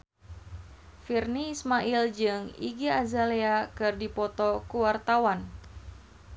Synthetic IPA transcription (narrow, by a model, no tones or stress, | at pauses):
firniːsmaʔild͡ʒɨŋḭɡiazaleakɨrdipɔt̪ɔkuwart̪awan